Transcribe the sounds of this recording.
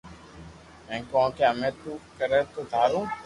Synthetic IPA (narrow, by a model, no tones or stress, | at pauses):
mɛ̃ːkɔ̃ːkeəmẽːt̪uːkəɾet̪od̪ʱaːɾũː